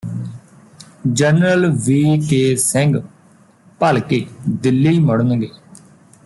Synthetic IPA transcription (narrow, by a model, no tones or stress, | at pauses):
d͡ʒənɾəlʋiːkeːsɛ̃ŋɡ | pəlkeːd̪ɪlːiiməɽənɡeː